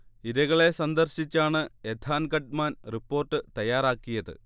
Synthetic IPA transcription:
iɾɐɣɐɭe̞sɐnd̪ɐrɕit͡ɕːaːɳɨed̪ʰaːnɡɐɖ̚maːnripːo̞ːrʈːɨt̪ɐjaːɾaːkːijɐðɨ̰

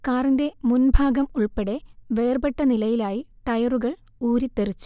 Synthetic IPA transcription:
kaːrinde̞munbʱaːɡɐmuɭpeɽe̞ʋeːrbeʈːɐnilɐjilaːjiʈɐjɐruɣɐɭ | uːɾit̪ːerit͡ɕːu̥

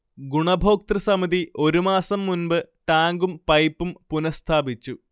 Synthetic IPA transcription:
ɡuɳɐbʱo̞ːk̚t̪rɐsɐmiðiʔo̞ɾumaːsɐmːunbɨʈaːŋɡumpɐjpːumpunɐst̪ʰaːbit͡ɕːu

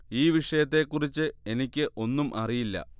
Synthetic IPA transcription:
iːʋiʂɐjɐt̪̬ːe̞kːurit͡ɕːɨe̞nikʲːɨʔo̞nːumʔɐrijilːɐ̰

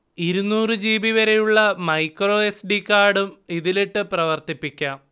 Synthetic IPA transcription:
iɾunːuːrɨd͡ʑiːbiʋɐɾe̞juɭːɐmɐjkroːesɖikːaːɖumiðiliʈːɨprɐʋɐrt̪ipːikʲːaːm

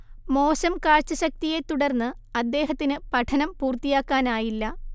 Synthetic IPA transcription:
mo̞ːɕɐmkaːɻt͡ɕːɐɕɐk̚t̪ije̞t̪uɽɐrnːɨɐd̪ːe̞ːɦɐt̪ːinɨpɐʈʰɐnɐmpuːrt̪ijaːkːaːnaːjilːɐ

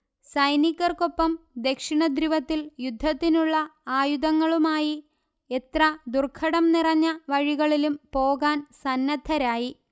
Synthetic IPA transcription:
sɐjnikːɐrko̞pːɐmd̪e̞kʂiɳɐd̪ɾiʋɐt̪ːiljud̪ʱːɐt̪ːinuɭːɐaːjud̪ɐŋːɐɭumaːji | e̞t̪rɐd̪urkʰɐɽɐmnirɐɲːɐʋɐɻiɣɐɭilumpo̞ːɣaːnsɐnːɐd̪ʱʰɐɾaːji

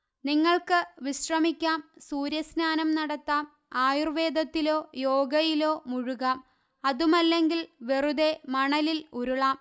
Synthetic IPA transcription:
niŋːɐɭkɨʋiɕrɐmikʲːaːmsuːɾjɐsnaːnɐmnɐɽɐt̪ːaːm | aːjurʋe̞ːd̪ʱɐt̪ːilo̞ːjo̞ːɡɐjilo̞ːmuɻuɣaːm | ɐðumɐlːe̞ŋɡilʋeruðe̞mɐɳɐliluɾuɭaːm

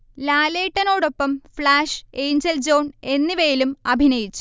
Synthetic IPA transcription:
laːleːʈːɐno̞ːɽo̞pːɐmfɭaːʂe̞ːɲd͡ʑɐld͡ʑo̞ːne̞nːiʋeːilumɐbʱinɐjit͡ɕːu̥

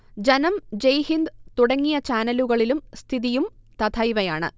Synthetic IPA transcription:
d͡ʑɐnɐmd͡ʑejhind̪t̪uɽɐŋːijɐt͡ɕaːnɐluɣɐɭilumst̪ʰiðijumt̪ɐt̪ʰɐjʋɐjaːɳɨ̰

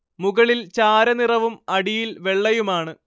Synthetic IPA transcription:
muɣɐɭilt͡ɕaːɾɐnirɐʋumɐɽijilʋe̞ɭːɐjumaːɳɨ

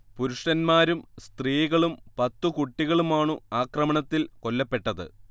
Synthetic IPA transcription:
puɾuʂʈɐnmaːɾumst̪riːɣɐɭumpɐt̪ːukuʈːiɣɐɭumaːɳɨaːkrɐmɐɳɐt̪ːilko̞lːɐpːe̞ʈːɐðɨ̰

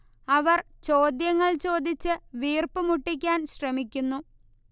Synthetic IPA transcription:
ɐʋɐr | t͡ɕo̞ːd̪jɐŋːɐɭt͡ɕo̞ːd̪it͡ɕːɨʋiːrpɨmuʈːik̬ʲːaːnɕrɐmikʲːunːu

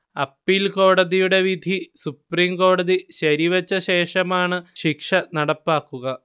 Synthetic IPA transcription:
ɐpːilko̞ːɽɐðijuɽe̞ʋid̪ʱisupriːmko̞ːɽɐðiɕɐɾiʋɐt͡ɕːɐɕe̞ːʂɐmaːɳɨɕikʂɐnɐɽɐpːaːkːuɣɐ

